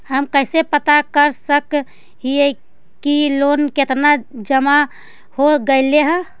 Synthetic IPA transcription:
həmkəɪsepət̪akəɾsək | ɦie | kilonket̪nad͡ʒəma | hoɡəɪleɦə̃

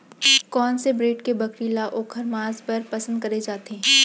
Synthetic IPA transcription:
kɔːnsebɾeːʈkebɐkɾilaʔoːkʰəɾmaːzpɐɾpɐsə̃nd̪̚kɐɾed͡ʒaːt̪eɦɛ̃

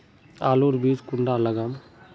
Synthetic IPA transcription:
aːluːɾbiːd͡ʒkuɳɖalɐɡam

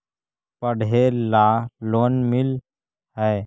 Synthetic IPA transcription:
pəɽ̤elaloːnmɪl | ɦɛː

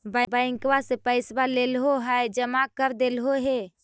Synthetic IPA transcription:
bəbəɪ̃ŋkwasepəɪsbalelɦoɦəjd͡ʒəmakəɾd̪elɦoɦe

